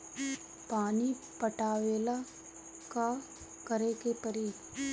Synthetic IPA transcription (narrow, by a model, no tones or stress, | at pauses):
paːni | pəʈaːʋeːla | ka | kəɾekepəɾiː